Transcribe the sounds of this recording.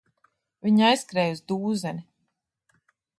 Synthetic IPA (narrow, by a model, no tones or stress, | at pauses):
vʲiɲajskɾɛːjuzd̪uːzɛni